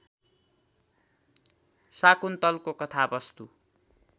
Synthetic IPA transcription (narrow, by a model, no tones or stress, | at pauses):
sakunt̪ʌlkokʌt̪ʰabʌst̪u